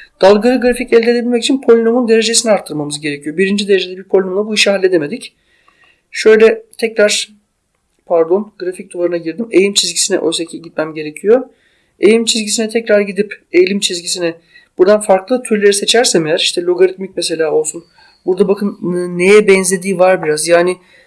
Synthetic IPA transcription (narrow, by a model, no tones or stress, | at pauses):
d̪̥alˠɡɯɾɯɡɾaficɛlʲd̪ed̪ebilmɛcit͡ʃʰinpʰo̞lʲino̞mund̪e̞ɾe̞d͡ʒe̞sinɛaɾt̪ʰːɯɾmamɯzɟe̞ɾecʰijo̞biɾind͡ʒid̪e̞ɾed͡ʒed̪ɛbiɾpʰolʲinolˠabuiʃiɦalʲːe̞d̪eme̞d̪ic | ʃø̞jlʲɛt̪ʰɛcɾaɾ̥ | pʰaɾd̪onɡɾafic̚d̪olˠaɾɯnaɟiɾd̪imejlʲimt͡ʃʰizɟisinɛ̰ʔøjʲsecʰiɟit̪mæmɟe̞ɾe̞cʰijo̞ | ejlʲimt͡ʃʰizʲɟisinɛt̪ʰɛcɾaɾɟid̪ipe̞jlʲimt͡ʃʰizɟisinɛ | b̥uɾd̪anfaɾklˠɯt̪ʰyɾlʲe̞ɾise̞t͡ʃʰæɾsɛmejæɾiʃt̪ʰɛlʲoɡaɾit̪micmese̞lʲaːo̞lˠsun | buɾd̪abakʰɯnɯnːe̞jɛbɛnzlʲe̞d̪iːvaɾbiɾazjaːnɪ